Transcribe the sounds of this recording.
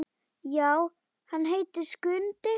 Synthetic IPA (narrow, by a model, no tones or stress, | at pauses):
jaːw | hanːɦejt̪ɪskʏnt̪ɪ